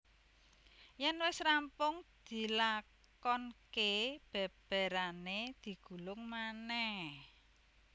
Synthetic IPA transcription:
jɛnwɪsrampʊŋd̪̥i̤la | kɔnkeb̥ɛ̤b̥ɛ̤ɾaned̪̥i̤ɡ̥ṳlʊŋmanɛhh

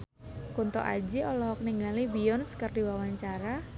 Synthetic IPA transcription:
kunt̪ɔ̰ʔa̰d͡ʒiɔlɔɦɔk̚niŋɡalibijɔnsə̥kərdiwawaɲt͡ʃaɾa

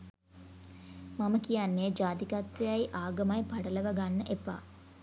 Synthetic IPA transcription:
maməkijanːeːd͡ʒaːd̪ikat̪ʋejajʔaːɡəmajpaɖələʋaɡanːəʔepa̰ː

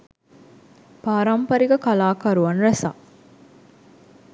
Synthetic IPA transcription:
paːɾɐmpɐɾiɡɐkɐlaːkɐɾuʋɐnɾɐsa̰ː

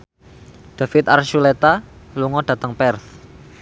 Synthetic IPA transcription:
ɖ̥a̤fɪt̪arʃulet̪aluŋɔɖ̥ä̤t̪əŋpɛrθ

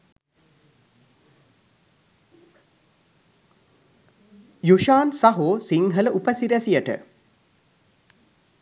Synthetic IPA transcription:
juʃaːnsaɦoːsiŋɦələʔupəsiɾæsijəʈə̰

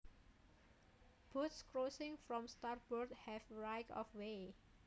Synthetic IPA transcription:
b̥ut̪skɹosɪ̃ŋfɹɔ̃mst̪aɹbɔɹd̪hɛfɹaɪkɔ̰fwe

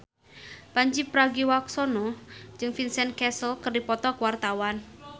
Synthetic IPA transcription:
paɲd͡ʒipɾaɡiwaksɔnɔd͡ʒɨŋfinsɛnkɛsəlkərdipɔt̪ɔkwart̪awan

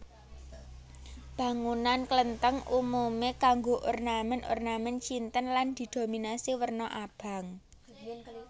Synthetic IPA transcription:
b̥a̤ŋunanklənt̪əŋumumekaŋɡoʔornaməno̰rnamɛnt͡ʃint̪ənland̪̥i̤d̪̥o̤minasiwərnɔʔab̥a̤ŋ

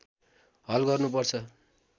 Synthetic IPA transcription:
ɦʌlɡʌrnupʌrt͡sʰʌ

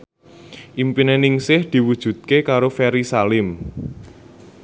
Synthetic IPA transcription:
ʔimpinenɪŋsɪhd̪̥i̤wud̥ʒ̥ṳd̪̚kekaɾofɛɾisalɪm

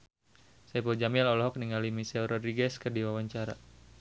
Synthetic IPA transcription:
sabɔd͡ʒamialɔlɔɦɔk̚niŋalimisɛlrɔdɾiɡɛskərdiwawaɲt͡ʃaɾa̰

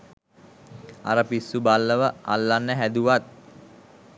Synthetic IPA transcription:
a̰ɾəpisːubalːəʋəa̰lːanːəɦæd̪uʋat̪̚

